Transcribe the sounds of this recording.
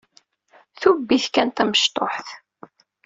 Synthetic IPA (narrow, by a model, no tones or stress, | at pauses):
θubːiθkænt̪æməʃt̪ˤo̰ħθ